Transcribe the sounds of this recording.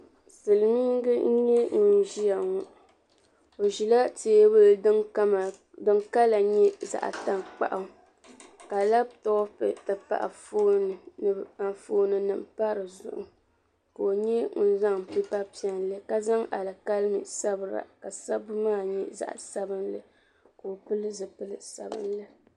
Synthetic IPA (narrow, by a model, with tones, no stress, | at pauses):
sɨ˨lɨ˨mi˦ŋɡɨ˦n̩˦ɲɛ˦ŋ̩˨n˨ʒi˦ja˨ŋu˨ | o˨ʒi˨la˦teː˦bɨ˦l | dɨ˦ŋka˦la˨ɲɛ˦za̰˨ʔa̰˨ta˦ŋk͡pa̰˨ʔa˨ | ka˨la˦b̚tɔ˦pɛ̰˨tɨ˨pa̰˨ʔa̰˨foː˦nɨ˨nɨ˨a˨nfoː˦nɨ˨nɨ˨m˨pa˦ɾɨ˨zʊ̰˨ʔʊ̰˨ | ka˨o˨ɲɛ˦ŋʊ˨n˦za˦ŋpi˦pa˦pi˨ɛ˨nlɨ˦ka˦za˦ŋʔa̰˨lɨ˨ka˦lɨ˦mɨ̰˨sa˦bɨ˨ɾa̰˨ka˨sa˦bɨ˦maː˦˨ɲɛ˦za̰˨ʔsa˦bɨ˦nlɨ˨ | ka˨o˨pɨ˦lɨ˦zɨ˨pɨ˦lɨ˨sa˨bɨ̰˦nlɨ˦